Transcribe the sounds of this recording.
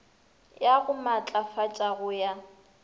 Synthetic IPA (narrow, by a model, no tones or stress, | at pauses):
jaɣʊmat͡ɬʼafat͡ʃʼaɣʊja